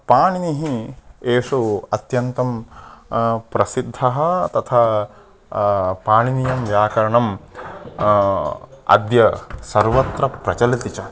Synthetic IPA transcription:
paːɳiniɦieːʂuɐt̪jɐnt̪ɐm | pɾɐsid̪ʱːɐɦɐ̆t̪ɐt̪ʰa | paːɳinijɐmʋjaːkɐɾɐɳɐm | ɐ̰d̪jɐsɐɾʋɐt̪ɾɐpɾɐt͡ʃɐlit̪it͡ʃɐ

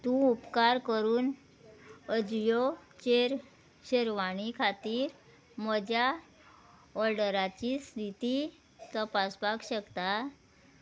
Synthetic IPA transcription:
t̪ũupkaɾkəɾuːn | əd͡zjot͡ɕeɾ | ɕeɾʋaɽ̃ikʰat̪iːɾ | məd͡ʑʱja | ɔɾɖəɾat͡ɕist̪ʰit̪i | t̪əpasbakɕəkt̪a

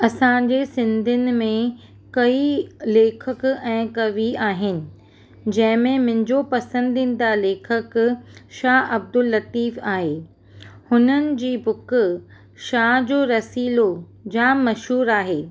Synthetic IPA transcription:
ɐsãɲd͡ʑesɪ̃nd̪ʱɪnɪ̆mẽ | kɐileːkʰəkɛ̃ːkɐʋiaːɦɪnɪ̆ | d͡ʑɐ̃ɦɪ̃mẽmɪ̃ɦɲd͡ʑopɐsə̃nd̪ʱĩnɪ̆d̪aleːkʰəkʃaːɐb̚d̪ʊlːɐt̪iːfaːɦeː | hʊnənɪ̆d͡ʑiːbʊk | ʃaːɦd͡ʑoːɾɐsiːlo | d͡ʑaːmɐʃɦuːɾaːɦeː

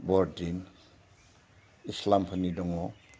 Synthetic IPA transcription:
bɔɾdin | islampʰanidɔŋɔ

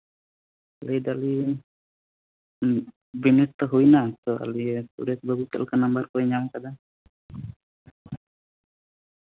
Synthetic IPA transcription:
alid̪ali | bɛnɛt̪əɦuinat̪ɔa̰lisṵdɛt̪baɡut̪a̰lkənambarkuɛɲaŋkad̪a

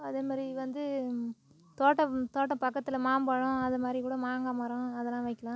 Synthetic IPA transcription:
ɐðeːmaːd̪ɾiʋɐnd̪ɯ | t̪oːʈːɐt̪oːʈːɐpɐkːɐt̪ːɪlɐmaːmbɐɻʊ̃ɐðɐmaːd̪ɾikuːɽɐmaːŋɡamɐɾʊ̃ɐðɐlːãːʋɐɪkːɐɭãː

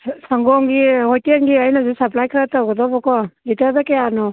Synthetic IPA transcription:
saŋɡɔŋɡihɔjtiaŋɡiajnazisaplajkʰɯɾatawɡɔdɔbɔkɔlitaɾdakeanɔ

